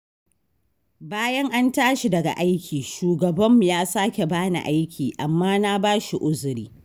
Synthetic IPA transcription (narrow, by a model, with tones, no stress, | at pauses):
baː˦jɐ˦ŋʔa˦ntaː˦ʃi˨dɐ˨ɡa̰˨ʔa˦jkʲʰiː˨ʃuː˨ɡɐ˨bɐ˦mːu˨jaː˦saː˦kʲe˨baː˦na̰˨ʔa˦jkʲʰiː˨ʔa˨mːaː˦na˦baː˦ʃi˨ʔʊ˦zʊ˨ɾiː˦